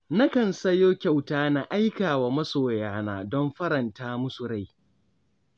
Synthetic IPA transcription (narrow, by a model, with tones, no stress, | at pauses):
na˦kɐ˨nsɐ˦joː˦kʲa˨wtaː˦na˨ʔa˦jkaː˨waː˨mɐ˦soː˨jaː˦naː˨dɔ˦mɸɐ˦ɾɐ˨ntaː˦mʊ˦sʊ˨ɾa˦˨j